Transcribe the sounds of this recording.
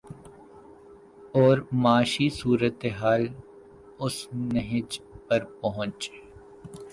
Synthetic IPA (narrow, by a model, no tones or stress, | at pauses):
ɔːɾmaːʃisuːɾət̪eɦaːl | ʊsnəɦɪd͡ʒpɐɾpɐɦʊ̃t͡ʃe